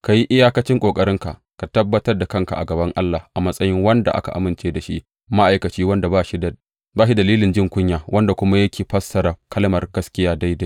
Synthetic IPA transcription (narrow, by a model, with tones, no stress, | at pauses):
ka˨ji˦ʔɪ˦jaː˦kɐ˦t͡ʃɪ˦ŋkʷʼoː˨kʼɐ˨ɾɪ˦ŋka˨ʔ | ka˨tɐ˦bːɐ˦tɐ˦rda˨kɐ˦˨ŋka̰˨ʔa˨ɡɐ˨bɐ˦ŋʔa˦lːa˨hʔa˨mɐ˦sʼɐ˦jɪ˦ŋwɐ˦nda˨ʔa̰˦ka̰˨ʔa̰˨mɪ˨nt͡ʃeː˦da˨ʃi˦ʔ | ma˦ʔa˨jkɐ˨t͡ʃiː˦wɐ˦nda˨baː˦ʃi˦d | baː˦ʃi˦dɐ˨liː˦lɪ˨nd͡ʒɪ˦ŋkʷʊ˦ɲjaː˨wɐ˦nda˨kʷʊ˦ma˦jɐ˦kʲeː˨ɸɐ˦sːɐ˨ɾa˨kʰɐ˦lmɐ˨rɡɐ˦skʲɪ˦jaː˦da˦jda˦j